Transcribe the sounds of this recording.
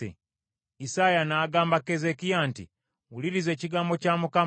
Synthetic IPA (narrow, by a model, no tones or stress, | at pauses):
ḛ | isajanaːɡaːmbakezekijaːntḭ | uliɾize̞ːciɡaːmbo̞camuka